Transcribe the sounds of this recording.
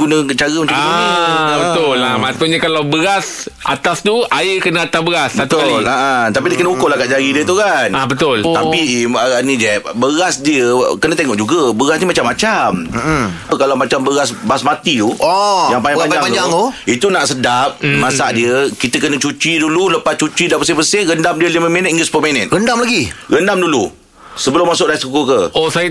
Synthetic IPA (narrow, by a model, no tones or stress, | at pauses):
ɡunə̃t͡ʃaɣəməaa | bət̪ʊlamasuɲakalawbəɣas | a̰t̪ast̪uaəkənaat̪abəɣasat̪olaʔat̪apidiəkənəukʊlahkaʔd͡ʒaɾidiət̪ukanabət̪ʊlt̪aiaanid͡ʒɛp̚bəɣasdiəkənat̪eŋɔʔd͡ʒuɡəbəɣasnimat͡ʃamːat͡ʃaməkalamat͡ʃambəɣasbasmat̪iuɔjaŋpajãaɲd͡ʒaŋad͡ʒaŋoit̪unaʔsədap̚masaʔdiəkit̪əkənət͡ʃut͡ʃidululəpast͡ʃut͡ʃidapəs̬ɪhpəsɪŋɣəndamdiəlimə̃minət̪iŋɡəspomenət̪̚ɣəndamlaɡiɣəndamdulu | səbəlʊmːasʊʔlaskukukəosaj